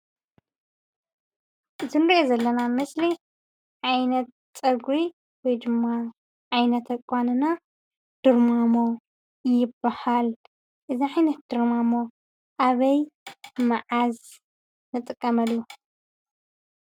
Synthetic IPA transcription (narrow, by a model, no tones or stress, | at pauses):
zɨnɾiʔezɐlːɐnamɨsli | ʕajnɐt̪̚ | sʼɐɡwi | wɔjd̪ɨmːa | ʕajnɐt̪ʰɐkʷʼanɨna | d̪̥ɨɾmamo̞ | jɪbːahal | ʔɨziʕajnɐt̪̚d̪̥ɨɾmamo̞ | ʔaβɐjmaʕaz | nɨt̪ʼɨkʼːɐmɐlːu